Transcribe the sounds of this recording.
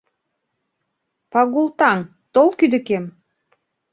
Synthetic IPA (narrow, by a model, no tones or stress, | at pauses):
pɑɣult̪ɑŋ | t̪olˠkyd̪ə̆kem